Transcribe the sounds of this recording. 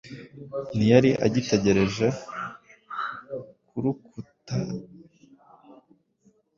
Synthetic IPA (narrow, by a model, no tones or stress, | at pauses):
nijaɾiʔa̰ɟite̞ɟe̞ɾe̞ʒe̞ | kuɾukʰuta